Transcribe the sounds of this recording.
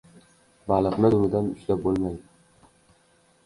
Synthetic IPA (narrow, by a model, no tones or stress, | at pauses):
bɑlˠɨqnɪd̪ʊɾd̪anʊʃlap̚bolˠmajd̪ɪ